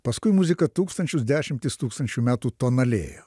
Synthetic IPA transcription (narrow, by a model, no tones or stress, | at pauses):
pɐskʊɪmʊzʲɪkɐt̪uːkst̪ɐnʲt͡ʃʲʊsd̪ʲæːʃʲɪmʲt̪ʲɪst̪uːkst̪ɐnʲt͡ʃʲumʲæːt̪uːt̪oːnɐlʲḛːjo̰